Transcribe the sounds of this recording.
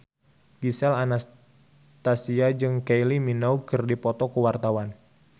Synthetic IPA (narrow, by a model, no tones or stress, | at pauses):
ɡisɛlanas | t̪asiad͡ʒɨŋkejliminaukɨrdipɔt̪ɔkuwart̪awan